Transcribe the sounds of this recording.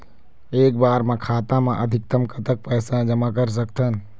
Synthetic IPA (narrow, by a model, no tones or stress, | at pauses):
eːk̚baːɾmẽkʰaːt̪amãʔəɐd̪ʱɪk̚t̪əmkʰət̪ək̚pɛːsãd͡ʒəmakəɾs̬əkt̪ən